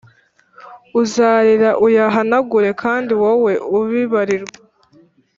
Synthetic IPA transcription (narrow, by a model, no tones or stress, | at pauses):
uzaɾiɾaʔujaɦanaɡuɾe̞kʰaːndiwawe̞ʔuβiβaɾiɾɡa